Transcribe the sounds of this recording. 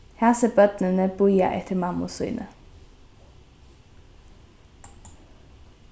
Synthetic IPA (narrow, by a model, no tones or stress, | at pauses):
hæːʁseːbœd̪nənəbujɑ̰ʔɛ̰t̪ʰəmɑmʊ̰sʉ̰ʏnʔə